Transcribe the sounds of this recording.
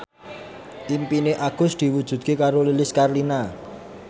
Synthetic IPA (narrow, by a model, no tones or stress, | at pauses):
ʔimpineʔaɡ̥ʊ̤sd̪̥i̤wud̥ʒ̥ṳd̪̚kekaɾolilɪskarlina